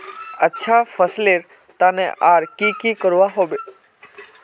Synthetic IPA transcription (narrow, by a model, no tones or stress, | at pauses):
ətːʃʰafəsleɾ | t̪aːnẽʔaɾkikikəɾʋaɦoːbe